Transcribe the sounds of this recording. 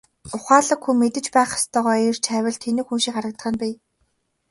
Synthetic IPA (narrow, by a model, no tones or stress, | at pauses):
ʊχaːɮə̆kxuːmet̪ɘ̆t͡ɕpæːχḁst̪ʰœːʁɔːir̥t͡ɕʰæːwʲɪ̆ɮt̪ʰenɘ̆ːxunʃiːkχaɾə̆k̚t̪ə̥χə̆npiː